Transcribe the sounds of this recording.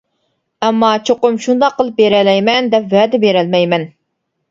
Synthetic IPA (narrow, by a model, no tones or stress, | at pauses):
ɛmːɑt͡ʃʰoqʊmʃund̪ɑqʰːəlˠɨp̚beɾɛlɛjmɛnd̪ɛpvɛd̪ɪbeɾɛlmɛjmɛn